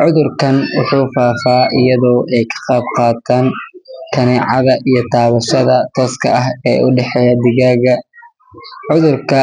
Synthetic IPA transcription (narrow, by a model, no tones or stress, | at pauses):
ʕʊðʊrkʰɐnwʊħuːfaːfaːʔɪjɐðɔːʔɛjkʰɐ̥qɑːbqɑːt̪ʰaːnkʰɐnɛːʕɑðɐʔijɞt̪ʰaːβɐʃɐðɐt̪ʰɔːskʰɐ̰ʔɐɦɛ̰ːʊɖɛħɛjɐd̪ɪɣaːɣɐ | ʕʊðʊrkʰɐ